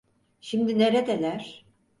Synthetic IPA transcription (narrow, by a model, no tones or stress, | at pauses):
ʃimd̪ine̞ɾed̪elʲæɾ̥